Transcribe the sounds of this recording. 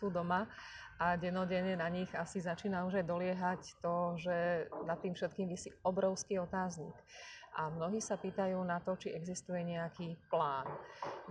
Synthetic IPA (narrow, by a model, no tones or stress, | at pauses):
suːd̪ɔma | ʔaɟɛnɔɟɛɲɛnaɲiɣasizat͡ʃiːnauʒajd̪ɔlɪɛɦact̪ɔʒɛnat̪ːiːmfʃɛt̪̚kiːmʋisiɔbɾɔʊskiːɔt̪aːzɲḭkʔamnɔɦiːsapiːt̪ajuːnat̪ɔt͡ʃiʔɛɡzist̪ujɛɲɛakiːplaːn